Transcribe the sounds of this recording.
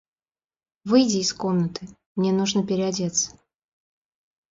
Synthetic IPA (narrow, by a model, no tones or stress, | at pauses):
vɨjdʲɪːsko̞mnət̪ɨmnʲenuʐnəpʲɪɾʲɪadʲet̪s